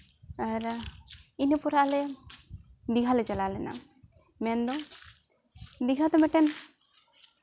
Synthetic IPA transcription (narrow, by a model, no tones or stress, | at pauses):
aɾainipɔɾaʔlɛ | d̪iɡʱalɛt͡ʃalalɛna̰ | mɛnd̪ɔ | d̪iɡʱat̪ɔmɛʈɛn